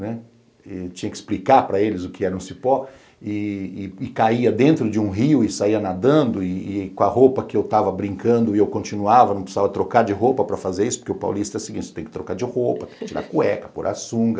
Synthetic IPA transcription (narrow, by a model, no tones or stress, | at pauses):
nɛ | ɛt͡ʃĩɲɐkɪ̥splikaɾpɾɐelɪzʊkɪɛɾɐũsipɔ | ɪːɪkaiɐd̪ẽnt̪ɾʊd͡ʒɪũɦiʊɪsaiɐnad̪ɐ̃nd̪ʊɪːkõɐhopɐkɪewt̪avɐbɾĩŋkɐ̃nd̪ʊɪewkõnt͡ʃinuavɐnɐ̃psavɐt̪ɾokaɾd͡ʒɪɦopɐpɾɐfazeɾisʊ̥poɾkeʊpa̰wlist̪ɐɛɾɐsɪiɡĩt͡ʃɪ̥t̪ẽkɪt̪ɾokaɾd͡ʒɪhop̪ɐt̪ẽkɪt͡ʃiɾa̰ɾkuɛkɐ̥puɾʔa̰sũŋɡɐ